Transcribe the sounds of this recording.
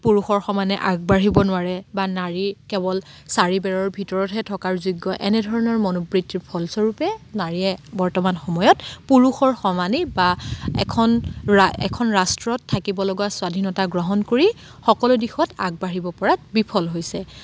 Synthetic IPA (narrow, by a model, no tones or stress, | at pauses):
puɹuxɔɹxɔmanɛʔaɡ̚baɹibɔnʊwaɹɛbanaɹikɛbɔl | saɹibɛɹɔɹbʱitɔɹɔtɦɛtʰɔkaɹzuɡːɔʔɛnɛdʱɔɹɔnɔɹmɔnupɹitːiɹpʰɔlsɔɹupɛnaɹiɛbɔɹtɔmanxɔmɔjɔtpuɹuxɔɹxɔmanɛbaɛ̰kʰɔnɛ̰kʰɔnɹastɹɔtʰːakibɔlɔɡwaswadʱinɔtaɡɹɔɦɔnkoɹi | xɔkɔlʊdixɔta̰ɡ̚baɹibɔpɔɹatbipʰɔlɦojsɛ